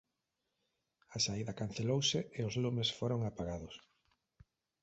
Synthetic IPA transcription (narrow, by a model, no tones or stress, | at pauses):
asaiðɐkan̟θelowsɪeʊzlumesfoɾoŋapaɣaðʊs